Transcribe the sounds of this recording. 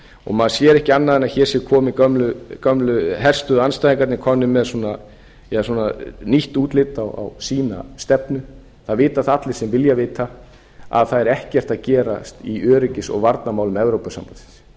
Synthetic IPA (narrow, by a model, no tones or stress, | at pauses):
ɔ̰ɣmaðsjɛːɾɛhcɪanːaðɪnaçɛːɾ̥sjɛkʰɔːmɪkœmlʏkœmlʏɦɛr̥st̪ʏðanst̪ajðiŋkat̪nɪkʰɔnːʏmːɛðsuːna | mɛðsuːnaniht̪uːt̪lɪːt̪ːawa̰wsiːna̰st̪ɛpnʏ | θaðvɪːt̪aθat̪lɪ̥sɛmvɪljavɪːt̪a | a̰ðθaðɛɾɛhcɛr̥t̪aðcɛːɾa̰st̪iʔœːɾɪcɪsɔ̰ɣvaɾt̪namaːwlʏmɛvɾowpasa̰mpaɪ̥s